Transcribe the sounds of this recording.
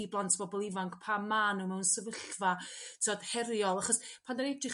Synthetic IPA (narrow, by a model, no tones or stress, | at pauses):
iblˠantʰb̥ɔbɔlˠɪvaŋkʰpʰamːaːnuwmɛwnsəvəɬvatʰɔd̥hɛɾjɔlˠaχɔspʰandaɾɛdrɪχ